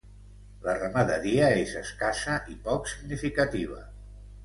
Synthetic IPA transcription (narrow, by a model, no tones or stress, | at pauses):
lərəməðəɾiəezəskasəʔipɔksiɡnifikət̪iβ̞ə